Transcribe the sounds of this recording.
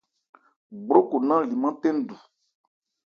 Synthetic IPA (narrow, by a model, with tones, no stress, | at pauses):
ɡ͡bɾo˦ko˨nã˦li˨mã˦tɛ̃˦n˦˨du˨